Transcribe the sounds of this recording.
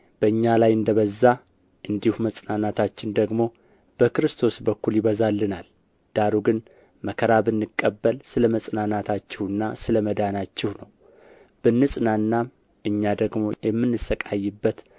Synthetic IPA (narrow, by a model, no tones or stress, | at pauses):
b̥əɨɲːalajɨnd̪əβəzːa | ʔɨnd̪ihuməsʼnanat̪ʰat͡ʃːɪnd̪əɡmo̞ | b̥əkɾɨst̪ʰo̞sbəkːuljɪβəzalːɨnal | d̪̥aɾuɡɨn | məkʰəɾabɨnːɨkʼːəbːəlsɨləməsʼnanat̪ʰat͡ʃːɪhɨnːasɨləməd̪anat͡ʃːɪhnəw | b̥ɨnːɨsʼnanːam | ʔɨɲːad̪əɡmo̞̰jɛmːɨnːɨsəkʼajːɨbːət̪